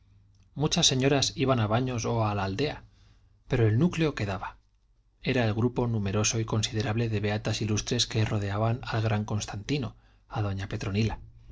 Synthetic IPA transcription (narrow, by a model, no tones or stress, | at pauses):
mut͡ʃasːe̞ɲo̞ɾasiβanaβ̞aɲo̞so̞alaːld̪e̞a | pe̞ɾo̞e̞lnukleo̞ke̞ðaβa | e̞ɾae̞lɣɾupo̞nume̞ɾo̞so̞iko̞nsið̞e̞ɾaβle̞ðe̞βe̞at̪asilust̪ɾe̞ske̞ro̞ð̞e̞aβanalɣɾaŋko̞nst̪ant̪ino̞ | að̞o̞ɲape̞t̪ɾo̞nila